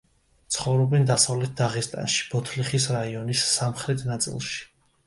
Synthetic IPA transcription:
t̪sʰχɔvɾɔbɛnd̪asavlɛt̪̚ʰd̪aʁist̪ʼa̰nʃi̥b̥ɔt̪ʰliχisɾaiɔnisːamχɾɛt̪ʰnat̪sʼḭlˠʃi̥

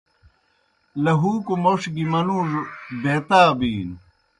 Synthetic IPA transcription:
lɐɦuːkumoʂɡimɐnuːʐb̪eːt̪aːbiːn

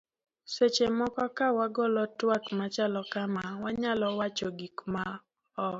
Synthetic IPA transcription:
set͡ʃemɔkɔkawaɡɔlɔtwakmat͡ʃalɔkamawaɲalɔwat͡ʃɔɡikma | ɔ

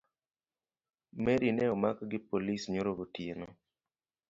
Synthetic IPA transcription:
mɛɾinɛɔmakɡɪpolisɲoɾoɡotieno

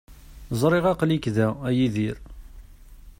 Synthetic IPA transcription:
zˤɾˤɪʁɑqlikðææjiðiɾ

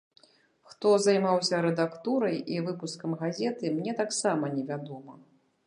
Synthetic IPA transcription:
xt̪ɔzajmawsʲɐɾɛd̪akt̪uɾɐjivɨpuskɐmɣazʲɛt̪ɨmnʲɛt̪aksamɐnʲɛvʲad̪ɔmɐ

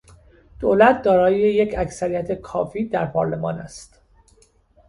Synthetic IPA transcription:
d̪̥oːlæt̪̚ʰd̪ɒːɾɒːjejecʰæcsæɾijæt̪ʰekʰɒ̰ːfiːd̪æɾpʰɒ̰ːɾle̞mɒːnæst̪

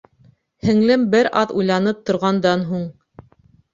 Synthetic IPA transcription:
hɘ̆ŋlɘmbɘɾʔɑðujlˠɑnɤp̚t̪ŏɾʁɑnd̪ɑnɦuɴ

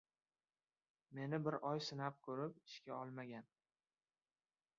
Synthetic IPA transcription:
me̞nɪbɪɾʔɒjsɪnap̚kʲʰɵɾɪp̚ɪʃkʲaɒlˠmaɡʲan

